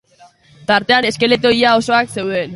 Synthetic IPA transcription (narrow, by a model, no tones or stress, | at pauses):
t̪aɾt̪e̞ane̞ske̞le̞t̪o̞iao̞so̞akse̞wðe̞n